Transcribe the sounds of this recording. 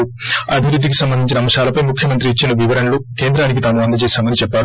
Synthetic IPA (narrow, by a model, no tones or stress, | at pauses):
ɐ̰bʱiʋɾud̪ʱːikisɐmbɐnd̪iɲt͡ʃinɐːmɐʃaːlɐpɐjmukʰjɐmɐnt̪ɾiːt͡ʃːinɐʋiʋɐɾɐnɐluke̞ːnd̪ɾaːnik̬it̪aːmuɐnd̪ʱɐt͡ʃeːsaːmɐnit͡ʃɛpːaːɾu